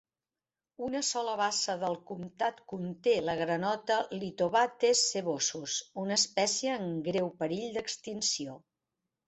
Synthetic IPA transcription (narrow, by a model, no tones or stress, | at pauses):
unəsɔləβasəðəlˠkumt̪at̪kunt̪eləɣɾənɔt̪əlit̪oβat̪esːeβosusunəːspɛsiəːŋɡɾewpəɾiʎd̪əkst̪insio